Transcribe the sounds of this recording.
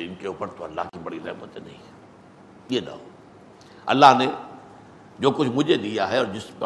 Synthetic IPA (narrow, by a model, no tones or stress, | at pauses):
ɪnkeopɐɾt̪oɐlːa̰ɦkiːbɐɽiɾɐ̰ɦmət̪nɐ̰ɦĩ | ieɗa̰ɦo | ɐ̰lːaɦnẽ | d͡ʑoːkʊd͡ʑʱmʊ̃d͡ʑeɗ̪ijaːɦeɔːɾd͡ʑɪs